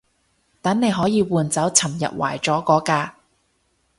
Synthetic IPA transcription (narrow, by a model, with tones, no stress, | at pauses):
t̪ɐ˨˥nne˨˧jɦɔː˨˥jiː˨˧wuː˨nt͡sɐ˨˥wt͡sʰɐ˨˩mjɐ̰˨t̚wa̰ː˨˩jt͡ʃɔː˨˥kɔː˨˥kaː˧